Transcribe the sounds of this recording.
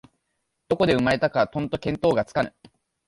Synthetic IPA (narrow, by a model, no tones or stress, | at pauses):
d̪̥o̞ko̞d̪e̞ɯ̟maɾe̞t̪akat̪õ̞nt̪o̞kẽ̞nt̪o̞ːɡat͡sɨ̥kanɯ̟